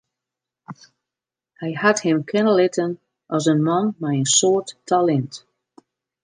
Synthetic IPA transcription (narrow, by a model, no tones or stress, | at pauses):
hajhathɪ̃mkʰɪnəlɪtʰən | ʔɔzənmɔnmajənsɔːtːʰalɛnt